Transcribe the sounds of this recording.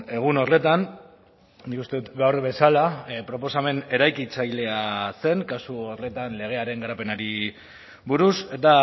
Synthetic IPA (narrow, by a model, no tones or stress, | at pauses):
e̞ɣ̞uno̞rle̞t̪an | nikust̪e̞ðut̪ɡawɾβe̞salapɾo̞po̞same̞ne̞ɾajkit͡sajle̞ase̞ŋkasuorle̞t̪anle̞ɣ̞e̞aɾe̞ŋɡaɾape̞naɾi | βuɾuse̞t̪a